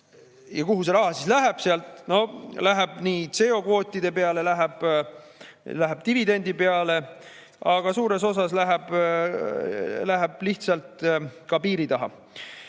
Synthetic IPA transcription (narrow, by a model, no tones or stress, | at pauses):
jɑkuɦus̬e̞ɾɑɦɑsislæɦeb̥seɑlt̪ˑno̞læɦeb̥niːt̪se̞ːo̞kvo̞ːt̪ʲːˑid̪̥e̞pe̞ɑle̞læɦeb̥ | læɦeb̥̚t̪ivid̪e̞nʲd̪̥ipe̞ɑle̞ | ɑɡ̥ɑsuːɾe̞so̞sɑslæɦeb̥ | læɦeb̥liht̪sɑlt̪kɑpiːɾit̪ɑɦɑ̰